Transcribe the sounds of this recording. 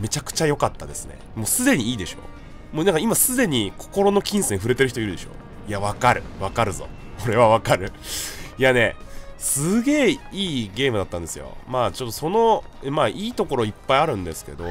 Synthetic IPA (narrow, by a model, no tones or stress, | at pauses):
me̞t͡ɕakɯ̟̥t͡ɕajo̞kat̪ːad̪e̞sɨnḛmo̞ːsɨd̪e̞ɲ̟iiːd̪e̞ɕo̞̰ː | monãŋkaimasɨd̪e̞ɲ̟ikʰo̞̥ko̞ɾo̞no̞kʲĩɰ̃sẽ̞ɰ̃ɸɯ̟ɾe̞t̪e̞ɾɯ̟çit̪oiɾɯ̟d̪e̞ɕo̞̰ː | iaβakaɾɯ̟βakaɾɯ̟zo̞̰ | oɾe̞β̞aβakaɾɯ̟iane̞̰sɨɡe̞ːiːɡe̞ːmɯ̟d̪at̪ːãnd̪e̞sɨ̰jo̞̰maːt͡ɕo̞t̪ːo̞so̞no̞ | maːʔiːt̪o̞ko̞ɾo̞ipːaiaɾɯ̟̃nd̪e̞sɨ̥ke̞̰d̪o̞̰